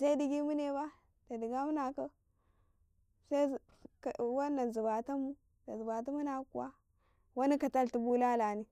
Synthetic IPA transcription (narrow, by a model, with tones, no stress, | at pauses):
sa˦i˦di˨ɡi˦mu˦ne˦ba˦ | da˨di˨ɡa˦mu˦na˨kə˦ | sa˦˨ | wa˦na˨zi˨ba˨ta˦mu˦ | da˨zi˨ba˨t̬a˦mu˦na˨kṵ˨wa˦ | wa˦ni˦ka˨ta˦lti˨bu˦la˦la˨ni˦